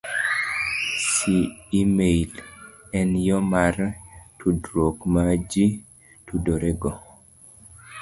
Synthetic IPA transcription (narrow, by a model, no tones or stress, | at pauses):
siimeilɛnjɔmartʰudɾokmad͡ʒi | tudoɾɛɡɔ